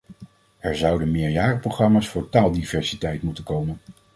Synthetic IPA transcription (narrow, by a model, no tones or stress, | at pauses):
ɛɹzɑwdənmɪːɹjaːrəprowχrɑmaːsfʊːɹtaːlˠdivɛɹsitɛjtmutənkowmən